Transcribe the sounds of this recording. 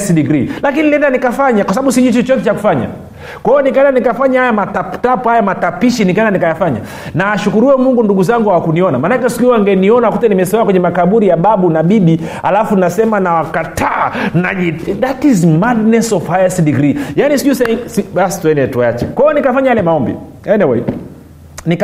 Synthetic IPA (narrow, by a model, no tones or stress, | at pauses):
sdiɡɾilakinilɛndanikafaɲakwasaɓaɓusiʄit͡ʃɔt͡ʃɔtɛt͡ʃaku̥faɲa̰ | kwaɔnikaɛndanikafaɲahajamataptapɔhajamatapiʃinikaɛndanikajafaɲa̰ | naːʃukuɾuɛmuŋɡunduɡuzaŋɡuhawakuniɔnamanakɛsi̥kiɔaŋɡɛniɔnawakutɛnimɛsiaakwɛɲɛmakaɓuɾijaɓaɓunaɓiɓi | halafunnasɛmanawakatʰanaiðatizmadnɛsɔvaɛsdiɡɾijaniskusɛiŋsibastuɛniɛtuajat͡ʃɛ̰kwajɔnikafaɲajalɛmaɔmbḭ | ɛniwɛ̰ | nik